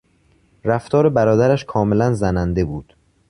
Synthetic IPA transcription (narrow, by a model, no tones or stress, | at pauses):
ɾæft̪ʰɒːɾe̞bæɾɒːd̪æɾæʃkʰɒːme̞lænzænænd̪e̞buːd̪̥